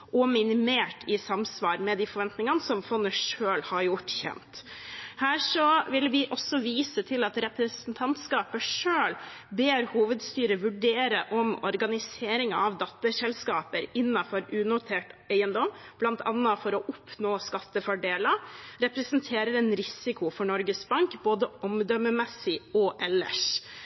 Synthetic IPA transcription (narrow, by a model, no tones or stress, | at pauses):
ʔɔmɪnɪmeːʈʰɪsɑmsʋɑːɾmɛd̪ifɔɾʋɛnt̪nɪŋənəsɔmfɔnːəʂøːlhɑɾjʊʈːçɛ̰nt̪hæːʂɔʋɪlʋɪʔɔsːɔʋiːsət̪ʰɪlɑt̪ɾɛpɾəsənt̪ʰɑnt̪skɑːpəʂøːlbeːɾhuːʋəd̪st̪yːɾəʋʉɖeːɾəʔɔmɔ̰ɾɡɑnɪseːɾɪŋɑɑʋd̪ɑt̪ːəsɛlskɑːpəɾɪnːɑfɔɾʉːnʊt̪ʰeːʈæɪənd̪ɔmb̥lɑnt̪ʰɑ̰nːɑfɔɾɔʔʊpʰnoːskɑt̪ːəfɔɖeːlɑɾɛpɾɛsənt̪ʰeːɾəɾɛnɾɪsɪkʊfɔɳɔɾɡəsbɑŋkboːd̪əɔmd̪œməmɛsːɪɔʔɛlːə̰ʂ